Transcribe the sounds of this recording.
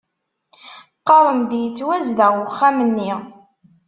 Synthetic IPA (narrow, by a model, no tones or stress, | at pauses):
qːɑɾˤəmd̪jət͡sːwæzðæχːæmənːi